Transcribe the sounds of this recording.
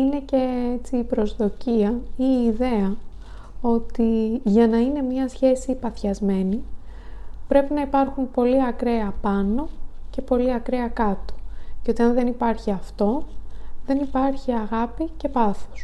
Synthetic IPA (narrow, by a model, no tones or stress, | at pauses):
ine̞ce̞et͡siːpɾo̞zðo̞ciɐiːðe̞ɐ | o̞t̪iʝɐnɐine̞mɲɐsçe̞sipɐθçɐzme̞ni | pɾe̞pinɐipɐɾxunpo̞liɐkɾeɐpɐno̞ce̞po̞liɐkɾeɐkɐt̪o̥ceo̞t̪iɐnðe̞nipɐɾçiɐft̪o̞ðe̞nipɐɾçiɐɣɐpice̞pɐθo̥s